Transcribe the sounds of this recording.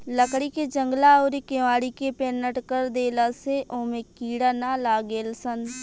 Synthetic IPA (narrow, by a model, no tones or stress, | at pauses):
ləkɽiked͡ʒə̃ŋɡlaɔːɾikeʋaːɽikepeːnəʈkəɾd̪eːlaseʔõːmẽkiːɽanalaːɡeːlsən